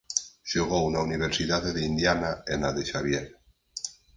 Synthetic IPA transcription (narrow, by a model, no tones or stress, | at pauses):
ʃoɣ̞ounauniβ̞eɾsiðaðeðeind̪janaenaðeʃaβjeɾ